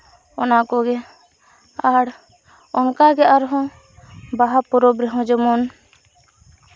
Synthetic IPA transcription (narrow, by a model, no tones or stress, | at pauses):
ɔnakɔɡɛ | aɽ | ɔnkaɡɛʔaɾɦɔ̃ | baɦapɔɾɔbɾɛɦɔ̃d͡ʒɔmɔn